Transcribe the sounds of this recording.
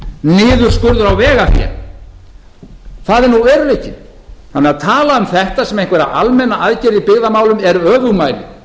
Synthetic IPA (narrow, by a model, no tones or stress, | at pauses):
nɪːðʏɾ̥skʏɾðʏɾawvɛːɣaθjɛ̰ɾ | θaðɪɾnuɛɾʏehcɪ | θa̰nɛaðt̪ʰaːlaʏmθɛht̪asɛmejŋkvɛɾa̰a̰lmɛnːaʔaðcɛɾipɪɣðamaːwlʏmɛɾœːvʏɣmaːjlɪ̰